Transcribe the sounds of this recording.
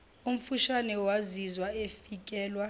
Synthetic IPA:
um̩fuʃanɛwazizwaefik̬ʼɛːlwa

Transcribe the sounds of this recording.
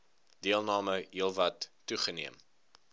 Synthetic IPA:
d̥iəlˠnɑːməilˠvɐtːuχənḭəm

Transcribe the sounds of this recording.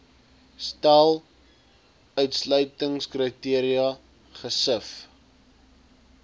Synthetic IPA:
stælˠ | œɥtslœɥtəŋskrətiəɾiɐ | χəsəf

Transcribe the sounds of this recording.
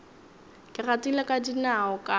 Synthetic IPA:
kʼɪratilakʼadinaɔkʼa

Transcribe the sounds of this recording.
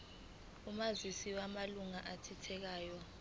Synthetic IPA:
umazisiwamaluŋaʔatʰitʰɛk̬aːjɔ

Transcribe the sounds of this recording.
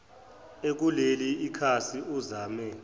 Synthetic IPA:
ek̬uleliːkʰasiuzaːmɛ

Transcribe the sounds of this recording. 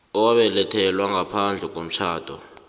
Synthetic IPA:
ɔwaɓɛlɛtʰɛlwaŋɡʱapʰand͡ɮʱɛk̬ʼom̩t͡ʃʰaːd̥ʱɔ̰

